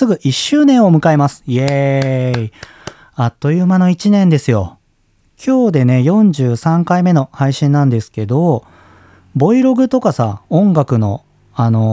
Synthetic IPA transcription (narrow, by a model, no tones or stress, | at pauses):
sɨɡɯ̟ʔiɕːɨːnẽ̞ɰ̃omɯ̟kaemasɨ̥jei | at̪ːo̞jɯmano̞it͡ɕinẽ̞nd̪e̞sɨjo̞̰ | kʲʰo̞ːd̪e̞ne̞jõ̞ɲd͡ʑɨːsãŋkaime̞no̞haiɕĩnːãnd̪e̞sɨ̥ke̞d̪o̞ | bo̞iɾo̞ɡɯ̟t̪o̞kasaõ̞ŋɡakɯ̟no̞̰ | ano̞